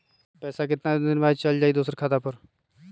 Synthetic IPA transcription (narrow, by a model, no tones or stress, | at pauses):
pɛːsak̬ɪt̪nad̪ɪnʋaːd͡ʒt͡ʃəld͡ʒaːid̪oːsəɾkʰaːt̪aːpəɾ